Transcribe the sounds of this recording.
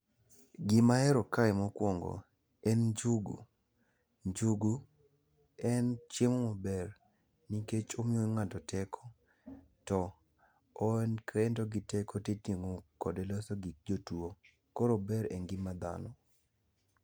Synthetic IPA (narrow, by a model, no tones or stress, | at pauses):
ɡɪmaɛɾɔkaɪmɔkwɔŋɡɔ̰ | ɛnd͡ʒuɡṵ | d͡ʒuɡu | ɛnt͡ʃemɔmɔbɛr | niket͡ʃomɪoŋatɔtʰɛkʰɔ̥ | tɔː | nkɛntoɡɪtɛkoteteŋokɔdɛlɔsoɡik̚d͡ʒotuo | koɾobɛɾɛ̰nɡɪmad̪a̰nɔ